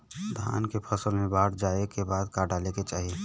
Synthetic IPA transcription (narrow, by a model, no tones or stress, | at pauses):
d̪ʱa̰ːnkepʰəsəlmẽbaːɽd͡ʒaːekebaːd̪kaɖaːleket͡ʃa̰ːɦie